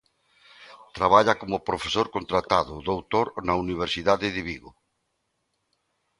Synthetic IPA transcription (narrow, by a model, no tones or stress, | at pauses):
t̪ɾaβaʎakomʊpɾofe̥soɾkont̪ɾat̪aðʊðowt̪oɾnauniβ̞eɾsiðaðɪðɪβiɣʊ